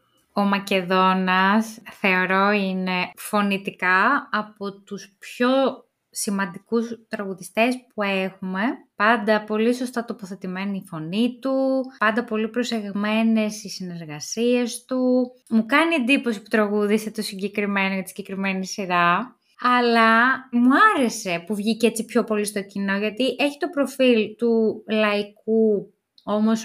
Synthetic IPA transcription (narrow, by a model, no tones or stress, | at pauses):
o̞mɐce̞ðo̞nɐsθe̞o̞ɾo̞ine̞fo̞nit̪ikɐɐpo̞t̪uspço̞ | simɐnd̪ikust̪ɾɐɣuðist̪e̞spue̞xume̞pɐnd̪ɐpo̞liso̞st̪ɐt̪o̞poθe̞t̪ime̞niifo̞nit̪upɐnd̪ɐpo̞lipɾo̞se̞ɣme̞ne̞sisine̞ɾɣɐsiest̪umukɐnie̞nd̪iposi̥pu̥t̪ɾɐɣuðiset̪o̞siɲɟe̞kɾime̞noʝɐt̪i̥sɲɟekɾime̞nisiɾɐ | ɐlɐmuɐɾe̞se̞puvʝice̞t͡sipço̞po̞list̪o̞cino̞ʝɐt̪iʔe̞çi̥t̪o̞pɾo̞filt̪ulɐiku | o̞mo̞s